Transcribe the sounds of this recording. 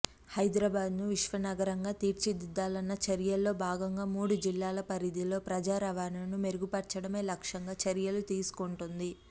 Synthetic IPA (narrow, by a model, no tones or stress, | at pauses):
hɐjd̪ɾɐbaːd̪nuʋiʂʋɐnɐɡɐɾɐŋɡaːt̪iːɾt͡ʃid̪id̪ːaːlɐnːɐt͡ʃɐɾjɐlːo̞ːbʱaːɡɐŋɡaːmuːɽud͡ʒilːaːlɐpɐɾid̪ilo̞ːpɾɐd͡ʒaːɾɐʋaːnɐnume̞ɾuɡupɐɾt͡ʃɐɽɐme̞ːlɐkʂɐŋɡaːt͡ʃɐɾjɐlut̪iːsu̥kuɳʈund̪i